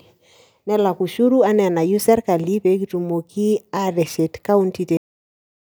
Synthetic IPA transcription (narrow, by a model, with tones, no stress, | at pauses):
nɛ˦la˨ku˨ʃu˦ɾu˦a˦nɛ˨a˨na˨ju˦sɛ˦ɾka˨li˦pe˨˦k̬i˦tu˨mo˨ki˦a˦ɾɛ˨ʃɛ˨tka˦u˦nti˦te˨